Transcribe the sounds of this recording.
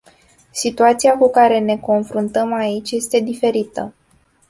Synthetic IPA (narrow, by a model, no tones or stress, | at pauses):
sit̪uat̪siakukaɾe̞ne̞ko̞nfɾunt̪əmait͡ʃʲje̞st̪e̞d̪ife̞ɾit̪ə